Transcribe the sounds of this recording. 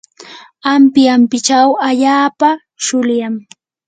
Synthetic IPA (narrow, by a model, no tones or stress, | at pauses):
ampjampɪt͡ʃawaʎaːpa | ʃʊljaŋ